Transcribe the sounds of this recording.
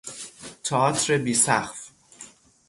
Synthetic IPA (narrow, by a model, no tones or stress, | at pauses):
t̪ʰɒt̪ʰɾebiːsæxf